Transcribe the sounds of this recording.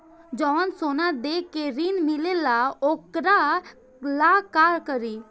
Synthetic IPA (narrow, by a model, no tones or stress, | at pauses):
d͡ʒɔʋənsonad̪ekeɾinmilelaokɾa | lakaɾkəɾi